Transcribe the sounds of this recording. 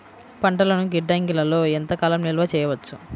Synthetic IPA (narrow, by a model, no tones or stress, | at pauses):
pɐɳʈɐlɐnuɡiɖːɐːŋɡilɐlo̞ːent̪ɐkaːlɐmnilɐʋɐt͡ʃɛːjɐʋɐt͡ʃːu